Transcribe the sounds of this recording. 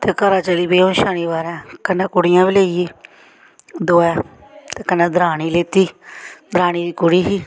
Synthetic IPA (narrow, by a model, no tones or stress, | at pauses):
t̪eːkəɾãːt͡ʃəliːbeːõːnʃaːɽ̃iːbaːɾãːkənːãːkʊɽɪjãːbileːiiː | d̪oːɛː | t̪eːkənãːd̪ɾaːɽ̃iːleːt̪iːd̪ɾaːɽ̃iːd̪iːkʊɽiːɦiː